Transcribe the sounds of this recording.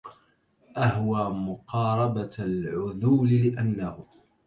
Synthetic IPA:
ʔahwaːmʊqʰɑːɾˤɑbalʕʊðuːlɪlɪʔanːahʊ

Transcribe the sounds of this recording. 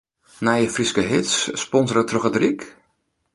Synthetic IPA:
naːjəfrɪskəɦɪtsspɔnzəɾatrɔχədrik

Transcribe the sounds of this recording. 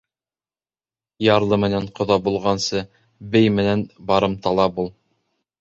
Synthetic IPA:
jɑɾlˠɤmɘ̆næɴqŏðɑbulˠʁɑnsɤ | bɘjmɘ̆nænbɑɾɤmt̪ɑlˠɑbulˠ

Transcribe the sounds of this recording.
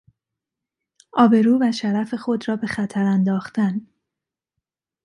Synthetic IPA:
ʔɒːbe̞ɾuːvæʃæɾæfe̞xo̞d̪rɒːbe̞xæt̪ʰæɾænd̪ɒːxt̪æn

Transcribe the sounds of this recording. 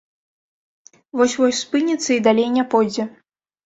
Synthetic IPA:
vɔsʲvɔsʲspɨnʲɛt̪sːɐid̪alʲejnʲɛpɔjd͡zʲɛ

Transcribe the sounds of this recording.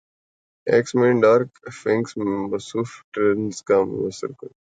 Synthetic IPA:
eːksmẽːɳɖaːɾkfẽŋksmɐsuːfʈɾenzkamʊ̰jəsə̰ɾkəɾ

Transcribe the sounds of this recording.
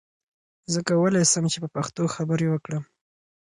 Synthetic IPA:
zəkawəlajsəmt͡ʃepəpaxt̪oxabəɾewəkɽəm

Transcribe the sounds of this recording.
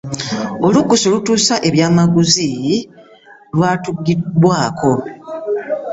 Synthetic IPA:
olukːusolutuːsaʔe̞βjaːmaɡuzi | lwaːtuɡːidwaːkʰo̞

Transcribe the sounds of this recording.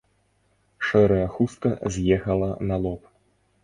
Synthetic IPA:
ʂɛɾɐjɐxust̪̚kɐzʲjɛxɐlˠɐnɐlˠɔp

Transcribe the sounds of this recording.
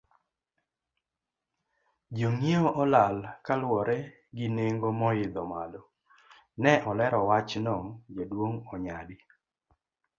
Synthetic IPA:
d͡ʒoŋeoʔɔlalkalwɔɾɛ | ɡɪneŋɡomɔɪd̪ɔmalo | nɛʔɔlɛɾɔwat͡ʃnɔŋd͡ʒodwoŋɔɲadi

